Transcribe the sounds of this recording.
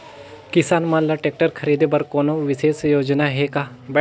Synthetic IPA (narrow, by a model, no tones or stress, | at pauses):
kɪsaːnmãːnlaːʈeːk̚ʈəɾkʰəɾiːd̪ebəɾkoːnõːʋɪseːsjoːd͡ʒnaːɦeːkaː | bɛ